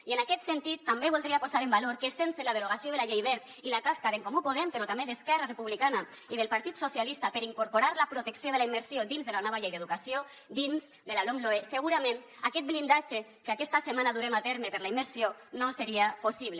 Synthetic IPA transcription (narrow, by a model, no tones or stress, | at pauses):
ienakɛt̪sent̪it̪ːambeβulˠd̪ɾiapozaɾembaloɾkesenselað̞eɾuɣasioðəlaʎejβɛɾt̪ | ilat̪askaðeŋkomupuðɛmpeɾɔt̪ambeðeskɛrarəpuβlikana | iðəlˠpaɾt̪it̪sosjalist̪apəɾiŋkuɾpoɾaɾlapɾut̪eksijoðelaimːəɾsiod̪inzðəlanɔβaʎejðeðukasio | d̪inz | d̪əlalomloeseɣuɾamẽn | akɛt̪̚blind̪ad͡ʒekeakɛst̪asemanaðuɾemat̪ɛɾmepəɾlaimːəɾsionoseɾiaposiβle